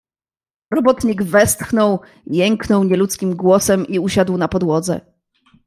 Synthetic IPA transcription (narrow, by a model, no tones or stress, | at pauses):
ɾɔbɔt̪ɲiɡvɛst̪xnɔw | jɛŋknɔwɲɛlut̪skʲimɡwɔsɛmiuɕad̪wnapɔd̪wɔd̪zɛ̰